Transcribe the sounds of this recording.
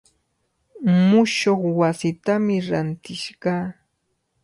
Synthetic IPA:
mʊʃoχwasɪt̪amɪɾant̪ɪʃɢɑː

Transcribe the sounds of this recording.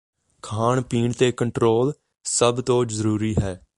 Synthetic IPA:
kʰaːɳpiːɳt̪eːkəɳʈɾoːl | səbt̪õːd͡ʒzəɾuːɾiːɦɛː

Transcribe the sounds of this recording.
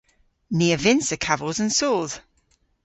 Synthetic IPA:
niːəvɪnsəkʰavəlˠzə̃nsoːlˠð̥

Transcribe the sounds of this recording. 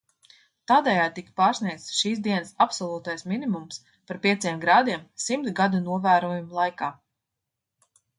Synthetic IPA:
t̪aːd̪ɛjaːd̪̚t̪ikpaːɾsniɛk̪ʃiːs̬d̪iɛnsapsɔlˠuːt̪ajsminimums | paɾpʲiɛt̪siɛmɡɾaːd̪iɛmsimt̪ɡad̪unuɔvæːɾuɔjumulˠajkaː

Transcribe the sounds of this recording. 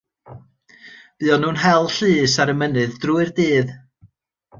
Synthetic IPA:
b̥ɨːɔnuːnɦɛlˠɬɨːsaɾəmənɨðdruɨrdiːð

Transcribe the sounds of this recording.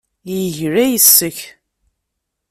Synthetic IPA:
jəʝɾæjəsːəç

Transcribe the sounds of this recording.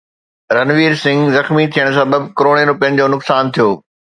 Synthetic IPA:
ɾɐnʋiːɾsɪ̃ŋɡzɐxmit̪ʰijəɽ̃̆s̬ɐbəbkɾoːɽeɾʊpiə̃nɪ̆d͡ʑoːnʊksaːnt̪ʰijoː

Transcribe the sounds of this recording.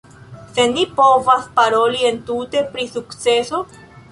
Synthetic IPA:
se̞nipovaspaɾo̞lie̞ntute̞pɾisukt͡se̞so

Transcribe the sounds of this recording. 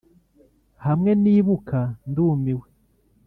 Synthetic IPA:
hamŋe̞niːβukanduːmiwe

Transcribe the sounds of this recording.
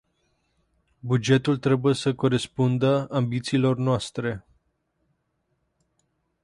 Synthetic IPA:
bud͡ʒe̞t̪ult̪ɾe̞buje̞səko̞ɾe̞spund̪əambit̪siːlo̞rnoast̪ɾe̞

